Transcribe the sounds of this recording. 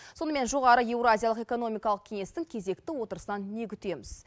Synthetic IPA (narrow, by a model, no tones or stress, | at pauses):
so̞nəme̞nʒo̞ʁɑɾəje̞wɾoazʲijalˠəqe̞ko̞no̞mijkɑlˠəq̚kʲʰe̞ŋe̞st̪ɪŋkʲʰe̞ze̞kt̪ɪwo̞t̪əɾəsənɑnːe̞kʲʏt̪e̞mɪz̥